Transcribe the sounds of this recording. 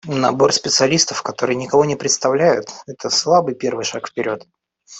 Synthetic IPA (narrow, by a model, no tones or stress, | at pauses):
nɐ̰bo̞rspʲɪt̪sɨɐlʲist̪əfkɐt̪o̞ɾɨjənʲɪkɐvo̞nʲɪpɾʲɪt̪st̪ɐvlʲæjʊt̪ɛt̪əslˠabɨjpʲe̞rvɨjʂakfpʲɪɾʲo̞t̪